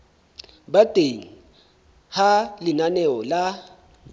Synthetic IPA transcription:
batʼeŋ̩ | halɪnanɛɔla

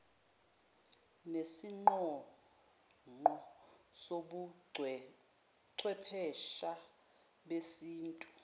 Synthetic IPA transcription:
nesiŋ͡ǃɔ | ŋ͡ǃɔsoɓu | ǀʰwɛpʰɛʃa | ɓesiːntʼu̥

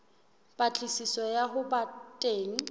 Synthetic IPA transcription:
pʼat͡ɬʼisisɔjaɦʊbatʼeːŋ̩

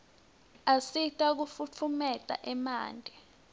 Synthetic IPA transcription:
asitʼak̬ufut͡fʰumɛtʼa̰ʔɛma̰ːndʱɛ

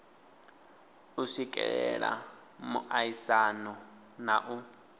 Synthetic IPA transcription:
usikʼɛɺɛɺa̰ | muʔaisanɔ | naʔu

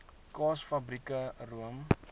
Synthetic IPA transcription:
kɑːsfɐbɾikəruəm

